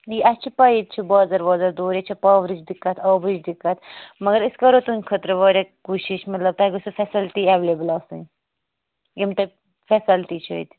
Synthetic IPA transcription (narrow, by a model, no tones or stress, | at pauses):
iɐt͡ʃʰipɐit̪̚t͡ʃʰibɑːzɐɾbɑːzɐɾd̪oːɾet͡ʃʰɐpɐːʋɾit͡ʃd̪ikːɐt̪ʰɑːʋɾid͡ʒd̪ikːɐt̪ʰmɐɡɐɾiskɐɾot̪unʲkʰət̪ɾʋɑːɾʲɐkuːʃiʃmɐt̪lɐb̚t̪ɐɡusufɛsɐlt̪iːɛʋleblɑːsɨ̰n | jimt̪ɐb | fɛsɐlt̪it͡ʃʰɐ̰ḭt̪